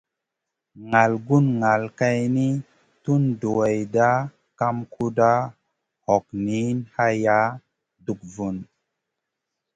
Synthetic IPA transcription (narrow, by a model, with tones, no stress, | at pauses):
ŋa˨lɡu˦nŋa˨lka˧jni˦ | tu˦ndo˨e˨jda˦ | ka˧mkʰu˧da˦ | hɔ˨k̚ni˨˦nha˧ja˦ | du˨k̚vu˨n